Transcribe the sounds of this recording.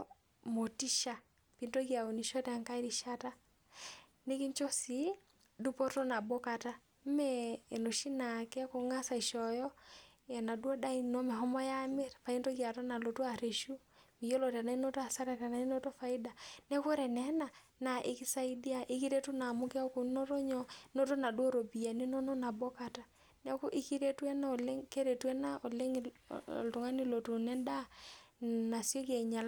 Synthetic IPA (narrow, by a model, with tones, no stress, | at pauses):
mo˨ti˦ʃa˨ | pi˨ntɔ˦ɣi˦a˨o˨ni˨ʃɔ˦ta˨ŋka˦i˦ɾi˨ʃa˦ta˦ | ne˦ki˦ɲt͡ʃɔ˦si˨ | du˦pɔ˦tɔ˦na˨bo˦ka˦ta˦ | m̩˦mɛː˦˨no˨ʃi˦na˨kɛ˦ko˨ŋa˦sa˨i˨ʃɔ˨jɔ˦ | jɛ˨na˨du˦ɔ˦da˦i˦nɔ˦me˨ɦɔ˦mɔ˦ja˦me˦ɾfa˨i˦ntɔ˦ɣi˦a˨tɔ˦na˨lo˨tu˦a˨ɾe˨ʃu˦ | mi˨jo˦lo˨ta˨na˨i˦no˦to˦a˨sa˦ɾa˨ta˨na˨i˦no˦to˦fa˨ɪ˦da˨nɛ˦ko˦ɾɛ˨nɛ˨˦na˨ | na˨ʔɪ̰˦ki˦sa˦i˦da˦˨ʔɪ˦ki˦ɾe˦tu˦na˨mʊ˦kɛ˦ɔ˦ko˨no˦ɾo˦ɲɔ˦no˦to˦na˨dwo˦ɾo˨bi˨a˨ni˦no˦nɔ˦na˨bo˦ka˨ta˨ | nɛ˦ko˦ʔɪ˦ki˦ɾe˦twɛ˦na˦o˨le˦ŋke˦ɾe˨twɛ˦na˦o˨le˦ŋ˨o̰˨lto˨ŋa˦ni˦lo˨tu˨nɛ˦nda˦ | na˨sjo˦ke˨ɲa˨l